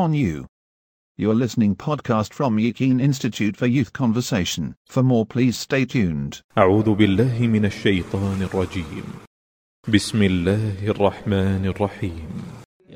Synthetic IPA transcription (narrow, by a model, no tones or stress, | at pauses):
ə̃njʉ̰ | jəlɪsnɪ̃ŋpʰɒd̚kʰɑstfɹə̃mjɨkʰĩnɪ̃nstɨtʰʉtfə˞jʉθkʰɑ̃ɱvəseɪʃə̃n̩fəmɔɹpʰl̥iz̥steɪt͡ʃʰʉ̃nd̥ʔaʕuːðʊbɪlːaːɦɪmɪnaʃːajt̪ˤɑːnɑrˤːɑd͡ʒiːm | bɪsmɪlːaːhʔɑrˤːɑħmaːnɑrˤːɑħiːm